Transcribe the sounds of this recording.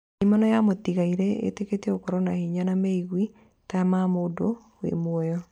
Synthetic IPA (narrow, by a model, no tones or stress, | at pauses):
imɔnɔjamot̪iɣaiɾɛḛteketeokɔɾɔnahiɲanameiɣwi | tamamodo | wḛmwɔjɔ